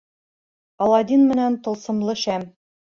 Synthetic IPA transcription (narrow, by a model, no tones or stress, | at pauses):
ɑlˠɑd̪inmɘ̆nænt̪ŏlˠsɤ̆mlˠɤʃæm